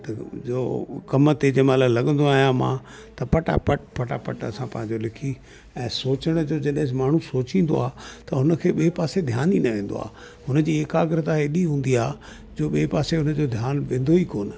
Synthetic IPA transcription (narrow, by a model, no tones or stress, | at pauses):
t̪ɐd͡ʑoːkɐmt̪ed͡ʑɐːmãlalɐɠə̃nd̪oaːɦijãmã̰ː | t̪ɐpɐʈa̰pɐʈpɐʈa̰pɐʈɐsãpɐ̃ɦɪ̃ɲd͡ʑolɪkʰi | ɛ̃ːsoːt͡ɕəɽ̃d͡ʑoːd͡ʑɐɗɦɪ̃maːɳ̤ũsoːt͡ɕĩːn̆d̪o̰aːt̪ɐʊnə̆kʰeːɓipaːsed̪ʱjaːninɐʋẽːn̆d̪o̰a̰ː | ɦʊnə̆d͡ʑiːekaːɡɪɾət̪aɦeɗiɦũːn̆d̪iaː | d͡ʑoːɓiːpaːseɦʊnə̆d͡ʑoːd̪ʱjaːnʋẽːn̆d̪oiːkoːn̆